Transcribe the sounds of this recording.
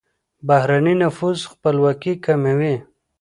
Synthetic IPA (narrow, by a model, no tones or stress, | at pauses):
bahɾaninafuzxpəlwakikamewi